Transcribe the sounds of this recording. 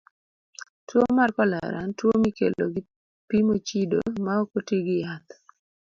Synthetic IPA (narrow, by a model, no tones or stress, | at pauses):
twomarkɔla̰ɾa̰ntwomikḛlo̰ɡɪ | pimot͡ʃido̰maɔkotiɡɪjat̪